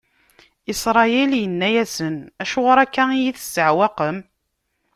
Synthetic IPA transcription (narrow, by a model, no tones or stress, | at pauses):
isɾˤɑjɛljənːæjæsənæʃuʁɾˤækːæijiθə̥sːəʕwæqəm